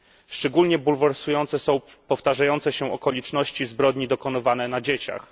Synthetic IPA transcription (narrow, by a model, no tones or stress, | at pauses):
ʂt͡ʂɛɡulɲɛbulvɛɾsujɔnt̪sɛsɔ̃w̃ | pɔft̪aʐajɔnt̪sɛɕɛʔɔkɔlʲit͡ʂnɔɕt͡ɕizbɾɔd̪ɲid̪ɔkɔn̪ɘvanɛnad͡ʑet͡ɕa̰x